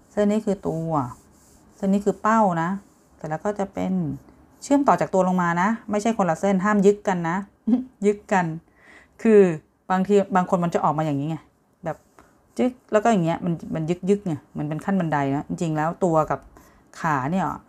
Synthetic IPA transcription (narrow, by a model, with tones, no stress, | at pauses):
se˥˩˨nːiː˦˥kʰɯː˧t̪u˧ɐ˧ | se˥˩nːiː˦˥kʰɯː˧pa˥˩wna˦˥ | t̪ɛː˨˩lɛː˦˥wkɔː˥˩t͡ɕa˨˩ʔpe˧n | t͡ɕʰɯ˥˩əmt̪ɔː˨˩t͡ɕaː˨˩k̪̚u˧ɐ˧lo˧ŋmaː˧na˦˥ma˥˩jʰt͡ɕʰa˥˩jkʰo˧nla˨˩wse˥˩nɦaː˥˩mjɯ˦˥kːa˧nːa˦˥ʔ | jɯ˦˥kːa˧n | kʰɯː˧ | baː˧ŋt̪ʰiː˧baː˧ŋkʰo˧nma˧nt͡ɕa˨˩ʔɔː˨˩k̚aː˧jaː˨˩ŋi˦˥ŋa˧˩˨ | bɛː˨˩p̚ | jɯ˦˥k̚lɛː˦˥wkɔ˥˩jaː˨˩ŋi˦˥ɐ˧ʔma˧nma˧njɯ˦˥k̚jɯ˦˥k̚ni˧˩mɯ˩˦npe˧nkʰa˥˩nba˧nda˧jnɔ˦˥t͡ɕi˧ŋt͡ɕi˧ŋlɛː˦˥wt̪u˧ɐka˨˩p̚ | kʰaː˨˩˦ni˥˩ɐlɔ̰˨˩ʔ